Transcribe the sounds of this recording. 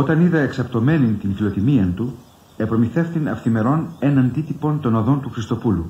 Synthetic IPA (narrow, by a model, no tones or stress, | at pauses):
o̞t̪ɐniðɐeksɐpt̪o̞me̞nint̪infilo̞t̪imiɐnt̪u | epɾo̞miθe̞fθinɐfθime̞ɾo̞ne̞nɐnd̪it̪ipo̞nt̪o̞noðo̞nt̪uxɾist̪o̞pulu